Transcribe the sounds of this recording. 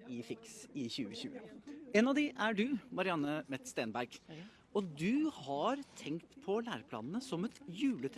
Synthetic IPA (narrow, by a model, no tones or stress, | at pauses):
ɪfɪksɪçʉːəçʉ̰ːəeːnɑʋd̪ɪʔæɖʉmɑɾɪɑnːəmɛt̪st̪eːnbæɾɡ | ɔd̪ʉhɑɾt̪ʰɛŋkt̪pʰɔlæːɾəpʰlɑ̰ːnənəsɔmɛt̪jʉːlət̪ʰ